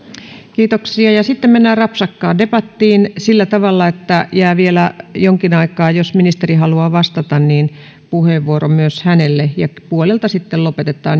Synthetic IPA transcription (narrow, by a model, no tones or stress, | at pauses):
kiːt̪oksiɑjɑsit̪ːemmenːæːrɑpsɑkːɑːdepɑt̪ːiːnsilːæt̪ɑʋɑlːɑet̪ːæjæːʋielæjoŋkinɑikɑːjosminist̪erihɑluɑʋɑst̪ɑt̪ɑnniːn | puheʋʋuoromyøshænelːejɑpuolelt̪ɑsit̪ːellopet̪et̪ˑɑ̰ːn